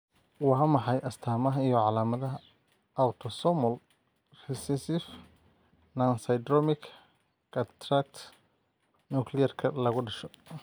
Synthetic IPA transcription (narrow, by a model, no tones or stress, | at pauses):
wɑɦɐmɑħɑjʔɐst̪ʰaːmɐɦɐijɔʕɑlaːmɐðɐɦɐ | awt̪ʰɔsɔmɔl | rɛsɛsɪf | nansɐjd̪ɾɔmɪkʰ | kɐt̪ʰɾak̚t̪ʰ | nukʰlɪjɐrkʰɐlɐɣʊɖɐʃɔ